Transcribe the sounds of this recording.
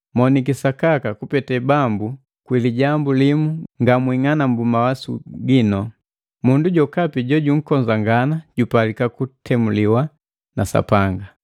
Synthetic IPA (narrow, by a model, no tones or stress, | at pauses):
mɔnik̬isakakakupɛtɛbambu | kwiliɟambulimuŋɡamwiŋanambumawasṵɡinɔ | munduɟɔkapiɟɔɟuŋ̩kɔɲd͡ʒaŋɡanaɟ̥upalikakutʰɛmuliwa | nasa̰paŋɡa